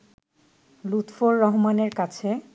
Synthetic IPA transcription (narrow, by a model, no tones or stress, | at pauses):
lut̪foɹːɔɦmaneɾkat͡ɕʰe